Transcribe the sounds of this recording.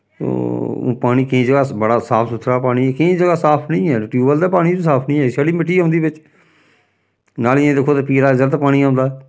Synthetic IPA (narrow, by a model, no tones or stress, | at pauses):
t̪õ̰ːpaːɽ̃iːkĩːd͡ʒəɡaːbəɽaːsaːpʰsʊt̪ʰːɾaːpaːɽ̃iːɛːkɪĩːd͡ʒəɡaːsaːpʰnɪ̃ːɛːʈjuːbəld̪eːpaːɽiːd͡ʒːsaːpʰnĩːɛːɪseːɽiːmɪʈːiːɦʊ̃nd̪iːbɪt͡ʃ | naːlɪãːd̪eːkʰːoːt̪eːpiːɾaːɪzəɾt̪ːpaːɽ̃iːãːʊ̃nd̪aːɛ